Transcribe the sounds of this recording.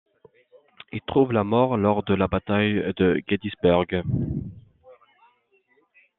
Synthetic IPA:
ilt̪χuvlamɔʁlɔʁd̪əlabat̪ajd̪əɡed̪isbœʁɡ

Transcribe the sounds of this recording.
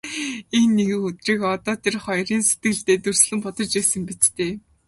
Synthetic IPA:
enːeɣɘ̆ŋɵt̪riːkɔt̪ɔːt̪ʰerχɔjriːnse̥t̪ɡɘ̆ɮt̪eːt̪ɵr̥sɮɘ̆mpɔt̪ɞ̆rt͡ɕæːsə̆mpit͡st̪eː

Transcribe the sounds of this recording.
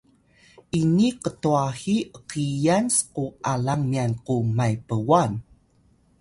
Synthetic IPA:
ʔiniqətuahiʔəqijansquʔalaŋmianqumajpəwan

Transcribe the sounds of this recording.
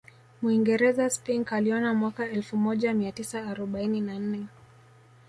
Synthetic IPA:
mwiŋɡɛɾɛzaspiŋɡaliɔnamwakaɛlfumɔʄamiatisaːɾɔɓaininan̩nɛ

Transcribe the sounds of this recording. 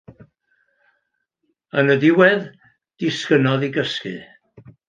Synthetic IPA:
ənədɪwɛð | d̥ɪskənɔðiɡəskɨ̰

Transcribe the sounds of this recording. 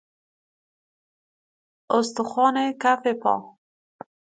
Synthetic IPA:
ʊst̪ʊxɑnekafepɑ̰

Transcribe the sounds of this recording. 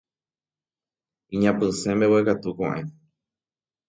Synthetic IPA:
ĩɲãpɨsẽmewekat̪ukõ̰ʔẽ

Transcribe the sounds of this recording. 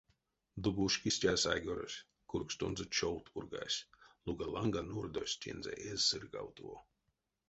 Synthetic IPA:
d̪ubuʃkʲisʲtʲasajɡʲɔɾosʲ | kuɾkst̪unzɨt͡ʃɔwt̪puɾɡa̰jsʲlˠuɡalˠaŋɡanuɾd̪osʲt̪ʲʰḭnzʲɛ̰ʔezːɨɾɡa̰wt̪uɔ

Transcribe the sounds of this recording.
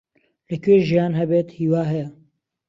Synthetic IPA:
ləkʰeːʒijaːnɦɛbeːt̪hiːwaːɦɛjɛ

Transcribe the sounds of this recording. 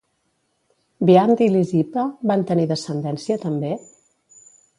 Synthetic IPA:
biand̪ilizipəβant̪əniðəsənd̪ɛnsiət̪əmbe

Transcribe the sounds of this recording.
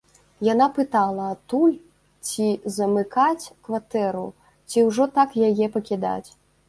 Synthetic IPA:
janapɨt̪alˠɐːt̪ulʲ | t͡sʲizɐmɨkat͡sʲkvat̪ɛɾṵ | t͡sʲiwʐɔt̪akjajɛpɐkʲid̪a̰t͡sʲ

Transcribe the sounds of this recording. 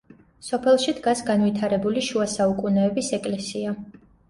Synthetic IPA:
sɔpʰɛlˠʃid̪ɡasɡanvit̪ʰaɾɛbuliʃuasaukʼunɛːbisɛkʼlɛsia

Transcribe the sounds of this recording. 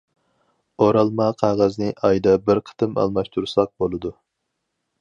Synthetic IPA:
oɾɑlˠmɑqʰɑʁɑznɨʔɑjd̪ɑbɪɾqʰə̥t̪ʰɨmɑ̰lˠmɑʃt̪ʰuɾsɑq̚bolˠɨd̪u

